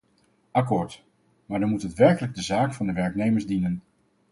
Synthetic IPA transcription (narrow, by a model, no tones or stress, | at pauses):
ʔɑkʊːɹt | maːɹdɑmutɦətʋɛɹkələɡ̚dəzaːkfɑndəʋɛɹknejməɹzdinən